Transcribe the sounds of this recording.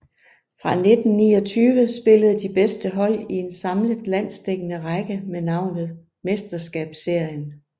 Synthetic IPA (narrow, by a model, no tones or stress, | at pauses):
fʁɑ̈ne̝d̥n̩nḭːɒ̽t͡sʰyːʋəsb̥e̝ləð̞̩ˠd̥ib̥esd̥əɦɒ̽l̰ie̝nsɑ̈mləðˠlæn̰sd̥eɡ̥ənəʁaɡ̥əmenɑ̈ʊ̰nð̞̩ˠ | me̝sd̥ɐsɡ̥ɛ̰ːb̥se̝ɐ̰jən